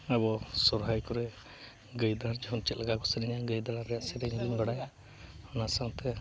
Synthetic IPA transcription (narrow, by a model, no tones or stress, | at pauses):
ɛbɔsɔɾɦajkɔɾɛ | ɡəjd̪aɾd͡ʒɛɦɔnt͡ʃɛt̪̚lɛɡakɔsəɾɛɲaɡəjd̪aɾaɾɛjaʔsɛɾɛɲibinbaɽaja | ɔnasaŋt̪ʰɛ